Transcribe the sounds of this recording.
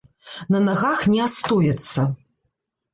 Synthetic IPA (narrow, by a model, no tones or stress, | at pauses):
nɐnaɣaxnʲɛast̪ɔjɛt̪sːɐ